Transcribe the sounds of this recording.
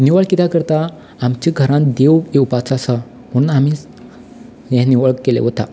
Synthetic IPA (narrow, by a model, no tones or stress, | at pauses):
niʋəɭkit̪akəɾt̪aː | mt͡ɕiɡʱəɾãnd̪eweupat͡sasa | puɽunami | jɛ̃niʋəɭkːelḛɦot̪a̰